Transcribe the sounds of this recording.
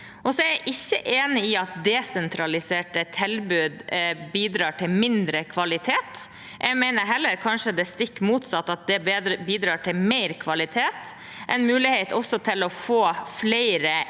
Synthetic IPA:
ʔɔsɔɛɾæʔɪçːəʔeːnɪɪɑt̪̚d̪ɛsɛnt̪ʰɾɑlɪseːʈət̪ʰɛlbʉd̪biːd̪ɾɑːʈʰɪlmɪnd̪ɾəkʰʋɑlɪt̪ʰeːt̪ | ʔɛɡmæɪnəɾɦɛlːəɾkʰɑnʂəd̪ɛst̪ɪkːmuːt̪sɑt̪ːɑt̪̚d̪ɛbiːd̪ɾɑːʈʰɪlmeɪɾkʰʋɑlɪt̪ʰeːt̪ | ʔɛnmʉːlɪheɪt̪ʰɔsːɔt̪ʰɪlɔfoːflæɪɾə

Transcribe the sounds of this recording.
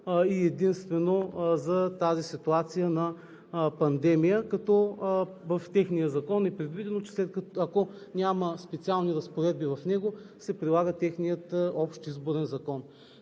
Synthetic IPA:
iɛd̪inst̪vɛnozɐt̪azisit̪uat̪sijənɐ | pɐnd̪ɛmijəkɐt̪ɔvɐft̪ɛxnijəzɐkɔnɛpɾɛd̪vid̪ɛnot͡ʃɛ̥slɛt̪̚kɐɐko | nʲaməspɛt̪sialˠniɾɐspoɾɛd̪̚bivɐfnɛɡosɛpɾilˠaɡət̪ɛxnijət̪ɔpʃt̪izboɾɛnzɐkɔn

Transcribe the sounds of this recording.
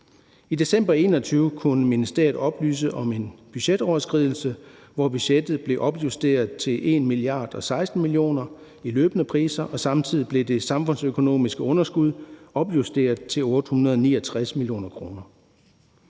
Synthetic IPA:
ide̝sem̰b̥ɐe̝̰ːnɒ̽t͡sʰyːʊkʰunəminəsd̥ɛ̰ːɐð̩ˠɒ̽b̥ly̰ːsəʔɒ̽me̝nb̥yɕed̥ɒʊɐsɡ̥ʁið̞ˠl̩səʋɒb̥yɕed̥ð̞̩ˠb̥le̝ʔɒ̽b̥jusd̥e̝̰ːɐðˠt͡sʰe̝lʔe̝nmiliɑ̰̈ːd̥ɒ̽sɑ̈ɪsd̥n̩milijo̝̰ːnɐ | ilø̰ːb̥ənəpʰʁḭːsɐʔɒ̽sɑ̈mt͡sʰið̞̰ˠib̥le̝d̥e̝sɑ̈mfɔ̽n̰søkʰo̝no̝̰ːmisɡ̥əɔ̽nɐsɡ̥uð̞ˠɒ̽b̥jusd̥e̝̰ːɐð̩ˠt͡sʰe̝lɔ̽ːd̥əhunɐðˠɒnḭːɐt͡sʰʁasmilijo̝̰ːnɐkʰʁo̝ːnɐ

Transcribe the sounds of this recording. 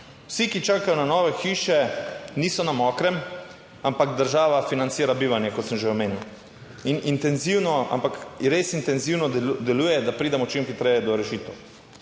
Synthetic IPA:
wsikit͡ʃaːkajɔnanɔːʋɛxiːʃɛniːsɔnamɔːkɾɛm | ampaɡd̪əɾʒaːʋafinant̪siːɾabiːʋanjɛkɔt̪səmʒeɔmeːnjiw | inint̪ɛnziwnɔa̰mpakɾeːsint̪ɛnziːwnɔd̪ɛluːjɛd̪apɾiːd̪amɔt͡ʃimxit̪ɾɛjɛd̪ɔɾɛʃiːt̪ɛw

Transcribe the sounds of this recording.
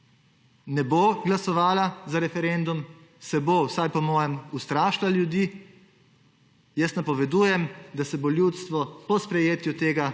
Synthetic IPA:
nɛboːɡlasɔʋaːlazaɾɛfɛɾɛnd̪um | sɛbowsajpɔmɔːjɛmust̪ɾaːʃlaljud̪iː | jəst̪napɔʋɛd̪uːjɛmd̪asɛboljuːt̪st̪ʋɔpɔspɾɛjeːt̪jut̪eːɡa

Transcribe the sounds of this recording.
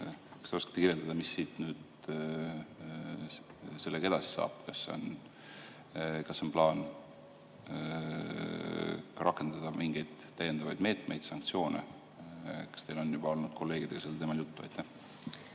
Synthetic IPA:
kɑ̥st̪eoskɑ̥t̪ːekiɾjeld̪ɑd̪ɑmisːiːt̪nyːd̪̥ | se̞lːeɡɑe̞d̪̥ɑsi̥sɑ̰ːb̥kɑsːo̞̰n | kɑsːo̞nplɑːn | rʔɑkːˑe̞nd̪̥ɑd̪̥ɑmʔiŋɡ̥ejd̪̥ːæjed̪̥ɑvɑjd̪me̞ːt̪ˑme̞jd̪̥sɑŋk̚t̪sio̞ːnḛ | kɑ̥st̪e̞jlo̞njub̥ɑo̞lnud̪̥̚kʰo̞lːe̞ːɡid̪e̥ɑselːt̪e̞mɑljut̪ːuɑ̰jt̪ːæh

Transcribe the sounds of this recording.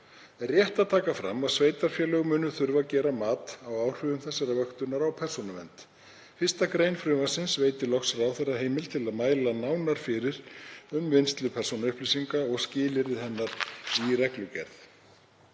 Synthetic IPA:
rjɛht̪aðt̪ʰaːkafɾa̰mːaðsveːjt̪aɾ̥fjɛlœɣʏmʏːnʏθʏɾvacɛːɾamaːt̪awawr̥ʏvʏmθɛsːɛɾavœxt̪ʏnaɾawpʰɛr̥sonʏmɛnt̪ | fɪrst̪akɾejnfɾʏːmasɪnsveːjt̪ɪlɔxsɾaːwθɛraɦeːjmɪlt̪ʰɪlaðmaːjlanaːwnaɾ̥fɪɾɪɾ̥ʏmvɪjnst̪lʏpʰɛr̥sonaʏhplisiŋkaɔɣscɪːlɪɾɪðhɛnːaɾirɛklʏcɛ̰ɾθ

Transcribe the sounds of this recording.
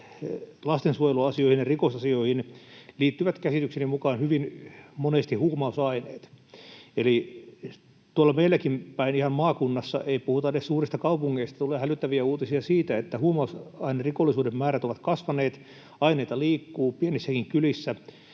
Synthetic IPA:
lɑst̪ensuojeluɑsioihinjerikosɑsioihinliːt̪ːyʋæt̪kæsit̪yksenimmukɑːnhyʋinmonest̪ihuːmɑusɑinḛːt̪ | eli | t̪uolːɑmeilːˑækimpæinihɑmmɑːkunːɑsːɑ̰ʔeipuhut̪ɑeessuːrist̪ɑkɑupuŋːeist̪ɑt̪uleːhælyt̪ːæʋiæuːt̪isiɑsiːt̪æet̪ːæhuːmɑusɑinerrikolːˑisuːdemmæːɾæt̪oʋɑt̪kɑsʋɑneːt̪ | ɑineit̪ɑliːkːuːpienisːækiŋkylisːæ

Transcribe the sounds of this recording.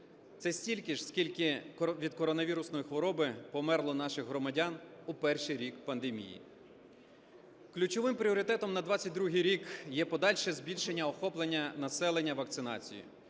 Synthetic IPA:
t̪sɛsʲtʲilʲkɪʒskʲilʲkɪʋʲid̪kɔɾɔnɐʋʲiɾʊsnɔjixʋɔɾɔbɪpɔmɛrlˠɔnɑʃɪxɦɾɔmɐdʲɑnupɛrʃijɾʲikpɐnd̪emʲḭjḭ | klʲut͡ʃɔʋɪmpɾʲiɔɾɪt̪ɛt̪ɔmnɐd̪ʋɑt͡sʲːɐt̚ʲd̪ɾuɦɪjɾʲikjɛpɔd̪ɑlʲʃɛzʲbʲilʲʃenʲːɐɔxɔplˠenʲːɐnɐsɛlˠenʲːɐʋɐkt̪sɪnɑ̰t͡sʲḭjḭ

